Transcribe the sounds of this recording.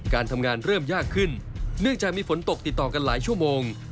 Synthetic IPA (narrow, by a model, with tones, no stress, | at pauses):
kaː˧nt̪ʰa˧mŋaː˧nɾɤː˥˩mjaː˥˩kʰːɯ˥˩nnɯ˥˩əŋt͡ɕaː˨˩k̚miː˧fo˩˦nt̪o˨˩k̚t̪i˨˩t̪ːɔː˨˩ka˧nlaː˩˦jt͡ɕʰu˥˩əmoː˧ŋ